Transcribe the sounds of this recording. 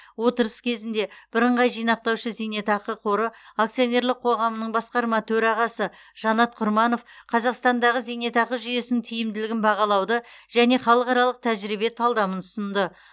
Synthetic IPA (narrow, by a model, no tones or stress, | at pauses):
wo̞t̪əɾəskʲʰe̞zɪnd̪e̞b̥ɪɾəɴʁɑjʒijnɑq̚t̪ɑwʃəzijne̞t̪ɑqəqʰo̞ɾəakt̪sijone̞ɾlˠɪq̚ʰo̞ʁɑmənəɴbɑsqɑɾmɑt̪ʰɵɾɑʁɑsə | ʒ̥ɑnɑt̪̚qʰʊɾmɑno̞fqʰɑzɑqst̪ɑnd̪ɑʁəzijne̞t̪ɑqəʒʏje̞sɪŋt̪ʰʏjɪmd̪ɪlɪɡʲɪnbɑʁɑlˠɑwd̪əʒ̥æne̞χɑlˠəqɑɾɑlˠəq̚t̪ʰæʒɾibe̞t̪ʰɑlˠd̪ɑmənʊ̥sənd̪ə